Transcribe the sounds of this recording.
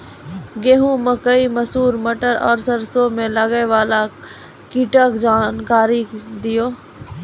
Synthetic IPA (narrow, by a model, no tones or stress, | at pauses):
ɡeːɦũməkəimɐsuːɾməʈəɾɔ̰ːɾsəɾsomẽlɐɡeʋaːla | kiʈəkd͡ʒaːnkaːɾid̪ɪjoː